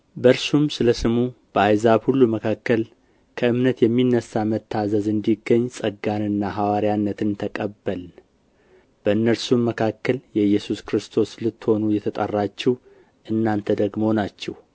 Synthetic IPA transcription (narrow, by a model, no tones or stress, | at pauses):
bəɾsumsɨləsɨmub̥əajzabhulːuməkʰakːəl | kʰəɨmnət̪jɛmːinːəsamət̪ʰːazəzɨnd̪iɡːəɲːsʼəɡanɨnːaɦawaɾjanːət̪ʰɨnt̪ʰəkʼəbːəl | b̥əɨnːəɾsumːəkʰakːəljɛjɛsuskɾɨst̪ʰo̞slɨt̪ːho̞nujɛt̪ʰət̪ʼə̰rːat͡ʃːɛw | ʔɨnːant̪ʰəd̪əɡmoonat͡ʃːɛh